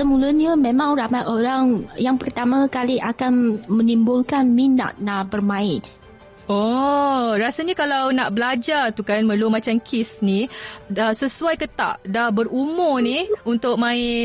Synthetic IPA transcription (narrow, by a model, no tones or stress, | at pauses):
səmuləɲəmemãŋramajʔoɾaŋjaŋpərt̪amakaliʔakanmə̃nimbʊlkanmina̰t̪̚nabərmãɪt | o | rasaɲakalawnaʔbəlad͡ʒart̪ukanməlumat͡ʃamkʰɪsniasəsuajkət̪a̰ʔdahbəɾumʊniunt̪ʊʔ̚mãɪ